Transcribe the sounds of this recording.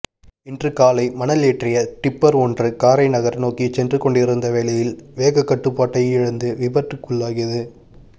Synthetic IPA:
ɪndrɯkaːlɐɪmɐnɐleːʈrɪjɐʈ̪ɪpːɐɾɔndrɯkaːɾɐɪnɐɣɐɾnoːkit͡ʃɛndrɯkɔɳɖɪɾɯnd̪ɐʋeːlɐjɪlʋeːɣɐkːɐʈːɯpːaːʈːɐjɪɻɯnd̪ɯʋɪbɐʈrɯkːɯɭːaːɣɪjɐðɯ

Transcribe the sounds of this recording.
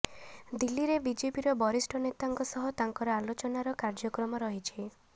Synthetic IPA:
d̪ilːiɾebid͡ʒepiɾɔbɔɾisʈʰɔnet̪aŋkɔsɔɦɔt̪aŋkɔɾɔalot͡ʃɔnaɾɔkaɾd͡ʒɔkɾɔmɔɾɔɦit͡ʃʰi

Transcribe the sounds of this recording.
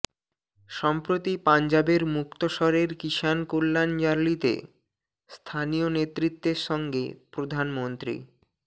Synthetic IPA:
ʃɔmpɾot̪ipand͡ʑabeɾmukt̪oʃɔɾeɾkiʃankolːand͡ʑaɾlit̪ḛ | st̪ʰanijonet̪ːɾit̪ːeɾʃɔŋɡḛpɾod̪ʱanmont̪ɾḭ

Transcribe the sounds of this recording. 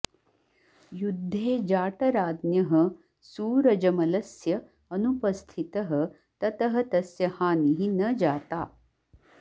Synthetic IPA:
jud̪ʱːeːd͡ʒaːʈɐɾaːd̪njɐɦɐ | suːɾɐd͡ʒɐmɐlɐsjɐ | ɐnupɐst̪ʰit̪ɐɦɐ̆ | t̪ɐt̪ɐɦɐt̪ɐsjɐhaːniɦinɐd͡ʒaːt̪aː

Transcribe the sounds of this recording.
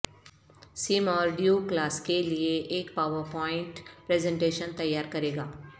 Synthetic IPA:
sɪmɔːɾɖjuklaːskelieʔeːkpaːwəɾpɔːɪ̃ɳʈpɾɛːzɛ̃ɳʈeːʃənt̪ɐjːaːɾkɐɾeːɡaː

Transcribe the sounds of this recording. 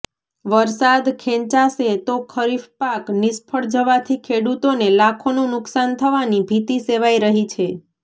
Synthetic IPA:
ʋəɾsad̪kʰẽɲt͡ʃaset̪okʰəɾifpaknispʰəɭd͡ʒəʋat̪ʰikʰeɽut̪onelakʰonũnʊksant̪ʰəʋanibʱit̪iseʋaiɾəɦit͡ʃʰe

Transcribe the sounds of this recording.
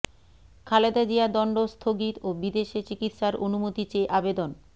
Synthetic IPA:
kʰaled̪ad͡ʑiad̪ɔɳɖost̪ʰoɡit̪obid̪eʃet͡ɕikit̪ʃaɾʔonumot̪it͡ɕeʔabed̪on

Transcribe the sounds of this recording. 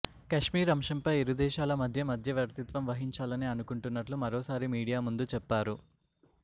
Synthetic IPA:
kɐʂmiːɾɐmʂɐmpɐjeɾud̪ɛːʃaːlɐmɐd̪ʱjɐmɐd̪ʱjɐʋjɐɾt̪it̪ʋɐmʋɐɦiɲt͡ʃaːlɐniɐnukuɳʈunːɐʈlumɐɾoːsaːɾimiːɽijaːmund̪ut͡ʃɛpːaːɾu

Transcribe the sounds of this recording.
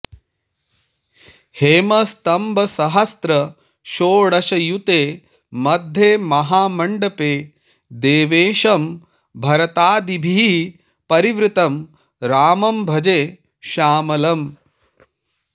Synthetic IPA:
heːmɐst̪ɐmbʱɐsɐɦɐst̪ɾɐ | ʃoːɽɐʃɐjut̪eː | mɐd̪ʱːeːmɐɦaːmɐɳɖɐpeː | d̪eːʋeːʃɐm | bʱɐɾɐt̪aːd̪ibʱi | pɐɾiʋɾɪt̪ɐm | ɾaːmɐmbʱɐd͡ʒeː | ʃaːmɐlɐm

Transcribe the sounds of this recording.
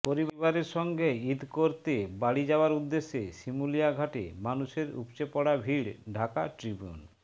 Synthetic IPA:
poɾibbaɾeɾʃɔŋɡʱeid̪koɾt̪ebaɽid͡ʑaoaɾud̪ːeʃːeʃimulijaɡʱaʈḛmanuʃeɾṵpt͡ɕepɔɽabʱiɽɖʱaka̰ʈɾibiṵn

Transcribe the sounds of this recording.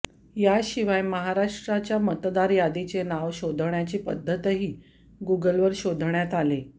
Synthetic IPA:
jaɕiʋajməɦaɾaʂʈɾat͡ɕjamət̪d̪aɾjad̪it͡senaʋɕod̪ʱəɳjat͡ɕiːpəd̪ʱːət̪ɦiː | ɡuɡəlʋəɾɕod̪ʱɳjat̪ale

